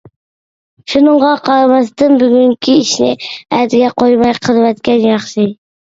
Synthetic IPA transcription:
ʃunɨɴʁɑqʰɑɾɑmɑst̪ɨnbyɡʲyŋkʲʰiiʃnɪ̰æd̪ɪɡʲɛqʰojmɑjqʰəlˠɨvɛt̪kʲɛnjɑχʃi

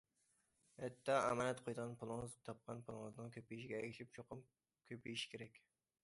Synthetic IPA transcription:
hɛt̪ʰːɑɛ̰mɑːnɛt̪qʰojd̪əʁɑnpʰʊlˠɨŋɨzt̪ʰɑp̚qʰɑnpʰulˠɨŋɨznɨŋkʰʲøpijiʃiɡʲɛɛkʲiʃip̚t͡ʃʰoqʊm | kʲʰøpijiʃkʲʰeɾɛkʲ

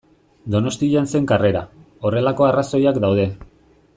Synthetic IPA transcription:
d̪o̞no̞st̪iʎanse̞ŋkare̞ɾa̰ | o̞re̞lako̞araso̞jakd̪awð̞e̞

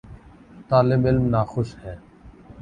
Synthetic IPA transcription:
t̪aːlɪbɪlmnaːxʊʃhɛː

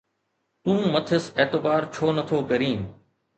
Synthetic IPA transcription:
t̪ũːmɐt̪ʰɪseːt̪ɪbaːɾt͡ɕʰoːnɐt̪ʰoːkɐɾĩː

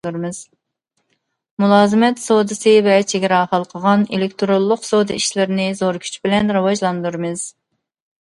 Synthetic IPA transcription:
uɾmɨz̥ | mulˠɑːzɨmɛt̪sod̪ɨsɨvɛt͡ʃʰeɡʲiɾɑχɑlˠqʰəʁɑnḛlɪk̚ʲt̪ʰɾolˠːʊqsod̪ɨiʃlɪɾɪnɪzoɾkʲʰy̥t͡ʃʰbɪlɛnɾɨwɑʒlˠɑnd̪uɾmɨz̥

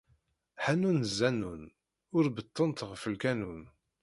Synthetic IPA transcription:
ħænunəzːænun | ʊɾbət̪ˤːənt̪ʁəfəlkænun

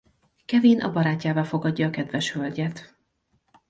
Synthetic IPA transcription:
kɛveːnʔɒ̰bɒɾaːcːaːvaːlfo̞ɡɒɟːɒːkɛd̪vɛʃhølɟɛt̪

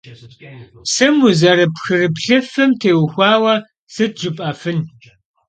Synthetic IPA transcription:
sɨmuzɐɾɨpxɨrɨpɬɨfɨmtʰeːwxʷɑːwɐ | sɨt̚ʒupʼɐfɨn

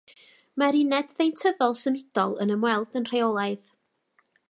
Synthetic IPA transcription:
maɾɪnɛdðejntʰəðɔlˠsəmɪd̥ɔlˠənəmwɛlˠdənr̥eɔlˠaɨð

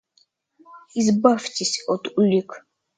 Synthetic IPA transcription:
izbaftʲisʲɔt̪ulʲik

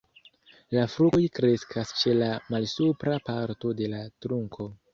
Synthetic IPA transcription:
lafɾukojkɾe̞skʰast͡ʃe̞lamalsupɾapaɾto̞de̞latɾuŋkʰo̞

